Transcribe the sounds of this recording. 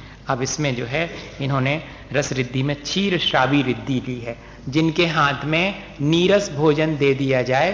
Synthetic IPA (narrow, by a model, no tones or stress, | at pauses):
ɐbɪsmẽd͡ʒoːɦɛɪnɦõːne | ɾɐsɾɪd̪ʱːimẽt͡ʃʰiːɾʃɾaːbiɾɪd̪ʱːiliɦɛː | d͡ʒɪnkeɦaːt̪ʰmẽ | niːɾəsbʱoːd͡ʒənd̪eːd̪ijad͡ʒaːe